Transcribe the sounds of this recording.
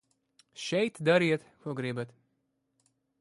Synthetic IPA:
ʃɛjt̪d̪aɾiɛt̪kuɔɡɾibat̪

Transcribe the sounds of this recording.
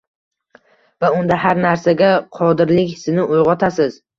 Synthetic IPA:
vaʊnd̪ahaɾnaɾsaɡʲaqʰɒd̪ɪɾlɪkʲsɪnɪʔʊjʁɒt̪ʰasɪz

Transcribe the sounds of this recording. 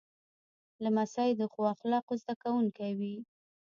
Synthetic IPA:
lamasɑjed̪əxoaxlɑqozd̪akawuŋkawi

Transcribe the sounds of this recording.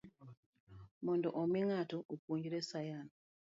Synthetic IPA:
muːndoʔomiŋatoʔokuːɲɟiɾesajan

